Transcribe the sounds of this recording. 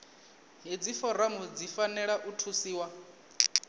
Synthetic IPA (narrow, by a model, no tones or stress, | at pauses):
ɦid͡zifɔɾamud͡zifanɛɺaʔutʰusiːwa